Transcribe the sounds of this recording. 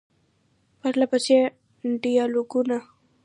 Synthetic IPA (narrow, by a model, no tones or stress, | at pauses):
paɾlapəse | ɖijɑloɡuna